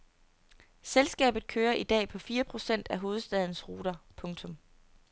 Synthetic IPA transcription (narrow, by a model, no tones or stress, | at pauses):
selsɡ̥ɛ̰ːb̥ð̩ˠkʰøːɐʔid̥ɛ̰ːpʰɒ̽fiːɐpʰʁo̝sen̰d̥æɦo̝ːð̞̩ˠsd̥ɛð̞ˠn̩sʁuːd̥ɐpʰɔ̽ŋt͡sʰɔ̽m